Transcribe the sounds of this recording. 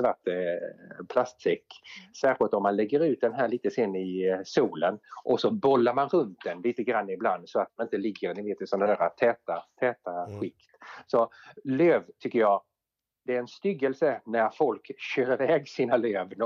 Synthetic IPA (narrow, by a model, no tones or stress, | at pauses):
svaʈː | pʰlast̪sɛkːsæːɾɧɪlt̪ɔmːanlɛɡːəɾʉ̟ːt̪̚d̪ɛnɦæːɾɭiːt̪əsenːɪsuːlənʔɔsɔbɔlːaɾmanɾɵnt̪̚d̪ɛnliːt̪əɡɾanːaɪbland̪sɔat̪̚manɪnt̪əlɪɡːəɾnɪveːt̪ːɪsɔnd̪æːɾat̪ʰɛːt̪at̪ʰɛːt̪aɧɪkt̪sɔløːvt̪ʰʏkːəɾjɑː | d̪̥ɛæɾɛnst̪ʏɡəlsənæɾfɔlkɕøːɾɪvɛːɡsiːnaløːvn